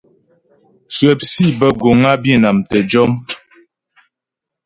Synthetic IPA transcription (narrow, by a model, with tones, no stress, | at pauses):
swɛ˨p̚si˦bə˦ɡo˨ŋa˦bji˦˨na˨mtə˨d͡ʒɔ˦m